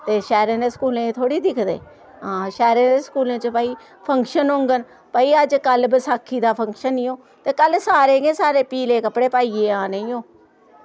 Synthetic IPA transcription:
t̪eːʃɛːɾẽːd̪eːskuːlẽːt̪ʰoːɽiːd̪ɪkʰd̪ḛː | ɦãːʃɛːɾẽːd̪eːskuːlẽːt͡ʃəpəiː | pʰə̃ŋkʃənɦõːŋɡən | pəiːəd͡ʒkəlbəsaːkʰːiːd̪aːpʰə̃ŋkʃənːĩːõː | t̪eːkəlsaːɾeːɡẽːsaːɾeːpiːleːkəpɽeːpaːiːeːãːnə̃ĩːõː

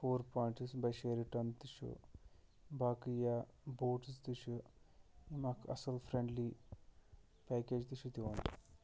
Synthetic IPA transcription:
foːɾpaːjɳʈsbɐjʃeːɾiʈɐnt̪iʃṵ | bʱaːkijaboːʈst̪iʃu | imaːkɐ̰sɐlfɾeɳɖli | peːkeːd͡ʒt̪iʃut̪iʋɐni

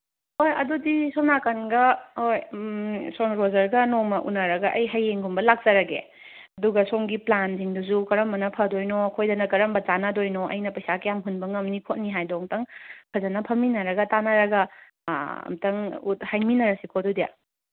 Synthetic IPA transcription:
hojɐ̰dudisonakɐnɡɐhoj | soŋɾozɐɾɡɐnomɐʔunaɾɐɡɐʔɐjɦɐjeŋɡumbɐlak̚zɐɾɐɡḛ | ɐduɡɐsoŋɡiplanziŋduzukɐɾɐmbɐnɐpʰɐdojnokʰojdɐnɐkɐɾɐmbɐt͡ʃanadojnoʔɐ̰jnɐpɐjsakɐjamɦunbɐŋɐmnikʰot̚niɦajdɔŋtɐŋpʰɐzɐnɐpʰɐminɐɾɐɡɐtanaɾɐɡɐ | ɐ̰mtɐŋuthajminɐɾɐsikʰodudija̰

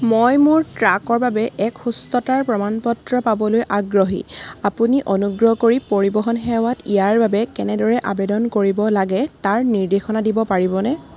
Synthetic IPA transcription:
mojmʊɹtɹakɔɹbabɛʔɛkxustɔtaɹpɹɔmanpɔtɹɔpabɔlojʔaɡɹɔɦḭapuniʔɔnuɡɹɔɦkoɹipoɹibɔɦɔnxɛwatijaɹbabɛkɛnɛdɔɹɛʔabɛdɔnkoɹibɔlaɡɛtaɹniɹdexɔnadibɔpaɹibɔnɛ

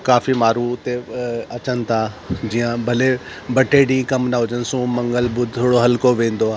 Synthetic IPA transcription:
kaːfimaːɾuʊt̪eɐt͡ɕənɪ̆t̪ʰaː | d͡ʑiːjãbʱɐle | bɐʈeɖĩkɐmnaɦʊd͡ʑənɪ̆sũmɐ̃ŋɡəlbʊd̪ʱt̪ʰoːɽoɦɐlkoʋẽːn̆d̪oa

